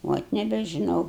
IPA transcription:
ˈʋoːt nʲɛbʲɛʒʲɪˈnɐʊ

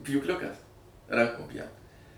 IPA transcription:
pʲjuːkˈlʲʊkɐs ˈrɐŋkoːm ˈpʲjɛʊt

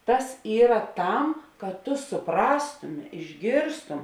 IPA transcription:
ˈtɐs ˈiːrɐ ˈtɐm kɐt tʊ sʊˈprɑːstʊmʲɪ ɪʒʲˈɡʲeːrstʊm

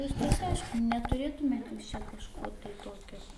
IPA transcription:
ˈʋʲɪskɐs ˈɐɪʃkʊ nʲɛtʊˈrʲeːtʊmʲeːt juːs t͡ʃʲɛ kɐʃˈkoː tɐɪ ˈtoːkʲoː

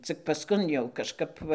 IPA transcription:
ˈt͡sʲɪk pɐsˈkʊn jɛʊ kɐʃˈkɐp ʋɐ

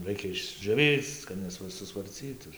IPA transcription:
ˈrɐɪkʲɛ ɪʒʲd͡ʒʲoːˈʋʲiːt͡s kɐt ˌnʲæːsʋɐsʊsʋɐrʲˈt͡sʲiːtʊ

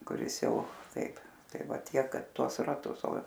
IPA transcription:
kʊˈrʲɪs ˈjɛʊ ˈtɐɪp ˈtɐɪ ˈʋɐ ˈtʲiɛk ˈkɐt ˈtuɔs rɐˈtʊs oː

